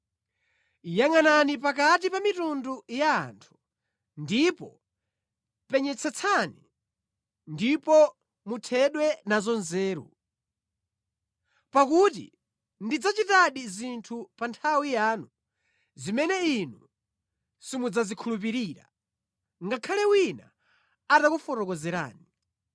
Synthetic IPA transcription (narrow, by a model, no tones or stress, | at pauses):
ijaŋananipak̬at̬ipamitunduja̰ːntʰu̥ | ndipɔ | pɛɲɛt͡sʰɛt͡sʰani | ndipɔ | mutʰɛɗwɛnazɔnzɛːɾṵ | pakutḭ | ndid͡zat͡ʃitaɗizintʰupantʰawijaːnu | zimɛnɛinu | simud͡zazikʰulup̬iɾiːɾa | ŋɡakʰalɛwina | atakufɔɾɔk̬ɔzɛɾa̰ːni